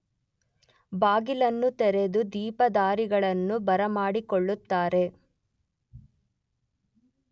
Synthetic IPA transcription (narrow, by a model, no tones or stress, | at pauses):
baːɡilɐnːut̪ɛɾe̞d̪ud̪iːpɐd̪aːɾiɡɐɭɐnːubɐɾɐmaːɽikɔɭːut̪ːaːɾe̞